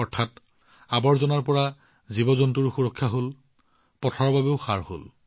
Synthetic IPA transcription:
ɔɹtʰat | abɔɹzɔnaɹpɔɹa | zibɔzɔntuɹuxuɹɔkʰːjaɦol | pɔtʰɔɹɔbabeʊxaɹho̰l

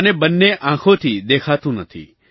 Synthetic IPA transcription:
ənebənːeʔãːkʰot̪ʰid̪eːkʰat̪ũnət̪ʰḭ

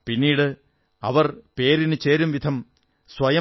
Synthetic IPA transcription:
pinːiːɽɨ | ɐ̰ʋɐrpe̞ːɾinɨt͡ɕe̞ːɾumʋid̪ʱɐm | sʋɐjɐ

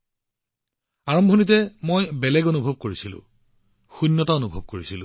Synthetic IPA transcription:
aɹɔmbʱonit̬ɛmojbɛlɛɡonubʱɔb̚koɹisilʊ̰̃ | xunːɔtaonubʱɔb̚koɹisilʊ̰̃

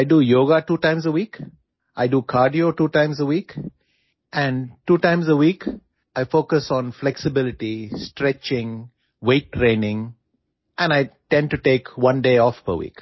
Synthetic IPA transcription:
aɪɖuːjoːɡaʈuːʈãɪ̃mzəwiːk | ʔaɪɖukʰaːɾɖioʈuːʈãɪ̃mzəwiːk | ʔæ̃ɳɖʈuːʈãɪ̃mzəwiːk | aɪfoːkəsɔ̃ːnflɛksɪbɪlɪʈisʈɾɛt͡ʃɪ̃ŋ | weːʈːɾẽːnɪ̃ŋ | ʔɛ̃naɪʈɛ̃ɳɖ̚ʈuʈeːkʋʌ̃nɖeːɔːfpə̰ʋḭːk

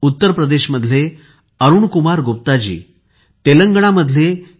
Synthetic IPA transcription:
ut̪ːəɾpɾəd̪eɕməd̪ʱle | əɾuɳkumaɾɡop̚t̪ad͡ʑḭː | t̪eləŋɡɳ̃aməd̪ʱle

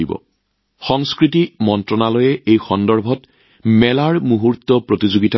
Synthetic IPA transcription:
ibɔ̰ | xɔŋskɹitimɔntɹɔnalɔjɛʔejxɔndɔɹbʱɔt | mɛlaɹmuɦuɹtːɔpɹotizoɡita

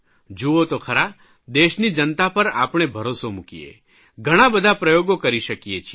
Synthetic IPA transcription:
d͡ʒuot̪okʰəɾa | d̪eʃnid͡ʒənt̪apəɾa̰pɳ̃ebʱəɾosomukijḛ | ɡʱəɽ̃ãbəd̪ʱapɾəjoɡokəɾiʃəkijet͡ʃʰi

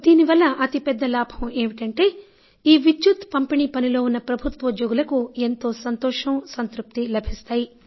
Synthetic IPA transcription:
d̪iːniʋɐlːɐʔɐt̪ipɛd̪ːɐlaːbʱɐmeːʋiʈɐɳʈe̞ː | iːʋit͡ʃːut̪pɐmpiɳiːpɐnilo̞ːunːɐpɾɐbʱut̪ʋɐud̪joːɡulɐkue̞nt̪o̞ːsɐnt̪ɔːʂɐmsɐnt̪ɾup̚t̪ilɐbʱist̪aːji

